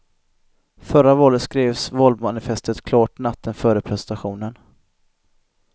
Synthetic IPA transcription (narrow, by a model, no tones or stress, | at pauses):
fœɾavɔːɾət̪skɾeːvsvɔlvmanɪfɛst̪ət̪kʰlɑːʈnat̪ʰːənfœːɾəpʰɾɛsɛnt̪aɧuːnən